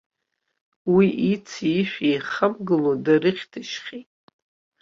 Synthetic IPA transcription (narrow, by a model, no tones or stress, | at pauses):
wiʔit͡sʰiiʃʷᶣijχəmɡɨlodarɨχʲtʰɨʃχʲetʼ